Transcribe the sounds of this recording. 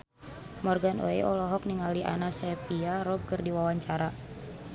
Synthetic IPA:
mɔrɡanʔo̰ḛɔlɔɦɔk̚niŋaliʔa̰nasɛpiaɾɔb̚kərdiwawaɲt͡ʃaɾa

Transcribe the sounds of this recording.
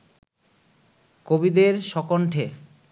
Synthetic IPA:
kobid̪eɾʃɔkoɳʈʰe

